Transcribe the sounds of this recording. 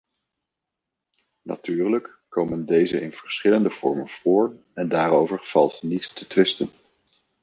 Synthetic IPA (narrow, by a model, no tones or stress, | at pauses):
na̰tyːɹləkːowməndejzəɪnv̥əɹsχɪləndəv̥ɔ̰ɹmənv̥ʊːɹ | ɛndaːɾowvəɹv̥ɑlˠtnittətʋɪstən